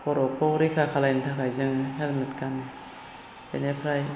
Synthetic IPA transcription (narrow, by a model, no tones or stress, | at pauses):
pʰɔɾɔkʰɔwɾikʰakʰalajntʰakajzɯŋɯɦelmet̚kani | bḛnepʰɾaj